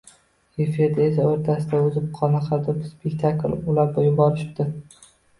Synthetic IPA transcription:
efɪɾd̪aes̬aoɾt̪ʰasɪd̪aʊzɪp̚qʰɒnaqʰɑd̪ɪpspʰekʲt̪ʰaklʊlaɾbojʊbɒɾɪʃɪ̥p̚d̪̥ɪ

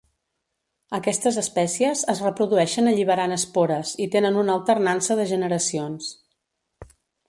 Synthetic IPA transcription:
əkɛst̪əzəspɛsiəzəzrəpɾuðuɛʃənəʎiβəɾanəspoɾəzit̪enənunəlˠt̪ərnansəðəʒənəɾəsions

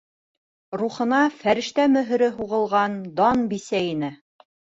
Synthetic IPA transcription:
ɾuχɤ̆nɑfæɾɘ̆ʃt̪æmɵ̆ɦɵ̆ɾɘɦuʁɤ̆lˠʁɑnd̪ɑnbisæinɘ

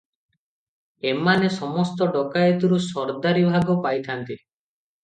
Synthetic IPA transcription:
emanesɔmɔst̪ɔɖɔkajet̪ɔɾusɔɾd̪aɾibʱaɡɔpajt̪ʰant̪i

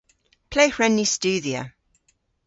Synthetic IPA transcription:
pʰl̥eɪhɹɛ̃nːist͡ʃʉːðiə̰

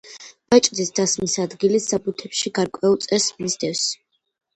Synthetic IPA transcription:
b̥at͡ʃʼd̪isd̪̥asmisad̪ɡilisapʰʼut̪ʰɛpʃiɡaɾkʼwɛulˠt̪sʼɛsnizd̪ɛfs

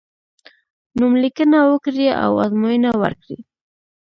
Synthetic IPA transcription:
numlikənawəkɾia̰wa̰zmojənawə̰ɾkɽḭ

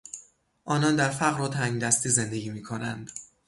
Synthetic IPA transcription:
ʔɒːnɒːnd̪æɾfæɣɾot̪ʰæŋɡd̪æst̪iːze̞nd̪eɡʲiːmiːkʰo̞nænd̪̥

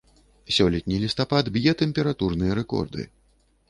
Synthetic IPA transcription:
sʲɔlʲɛt̪̚ʲnʲilʲist̪apad̪bʲjɛt̪ɛmʲpʲɛɾat̪urnɨjɐɾɛkɔ̰rd̪ɨ̰

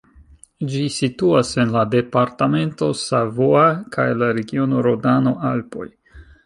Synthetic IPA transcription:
d͡ʒisituase̞nlade̞paɾtame̞nto̞savoakʰajlaɾe̞ɡio̞no̞ɾodano̞ʔalpo̞̰j

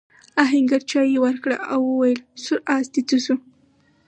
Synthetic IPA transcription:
aɦɪŋɡaɾt͡ʃɑjewaɾkɽa̰ʔawəwajəlsʊɾʔasd̪it͡səsu

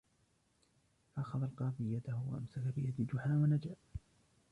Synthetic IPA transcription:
faʔɑxɑðˤɑlqɑːfɪjad̪ahwa̰ʔa̰msakabɪjad̪ɪd͡ʒʊħaːwanad͡ʒaʔ

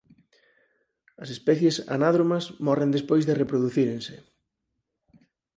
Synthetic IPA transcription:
ɐsespɛθjesa̰naðɾomɐsmɔrend̪espojzðɪrepɾoðuθiɾeŋsɪ

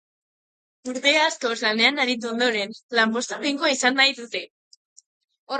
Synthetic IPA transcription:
uɾðeaskozlane̞anaɾit̪̬uo̞nd̪o̞ɾe̞nlampo̞st̪apiŋkoisanːajðut̪e̞

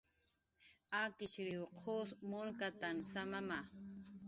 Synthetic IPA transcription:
akɪt͡ʃɾɪwqʰosmʊɾkat̪ansamama

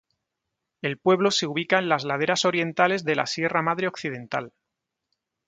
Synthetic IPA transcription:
e̞lpwe̞βlo̞se̞uβ̞ikae̞nlazlað̞e̞ɾaso̞ɾje̞nt̪ale̞zðe̞la̰sje̞ramaðɾeo̞kθið̞e̞nt̪a̰l

